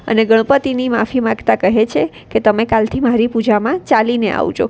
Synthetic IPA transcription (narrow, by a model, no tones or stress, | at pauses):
ə̰neɡəɽ̃pət̪inimafimãɡt̪akəɦet͡ʃʰe | ket̪əmekalt̪ʰimaɾipud͡ʒamãt͡ʃalinea̰ʋd͡ʒʰo̰